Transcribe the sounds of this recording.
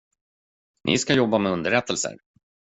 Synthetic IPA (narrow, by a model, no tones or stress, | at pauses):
nʔɪ̰skajɔbːamɛɵnd̪əɾɛt̪ʰːəlsə̰ɾ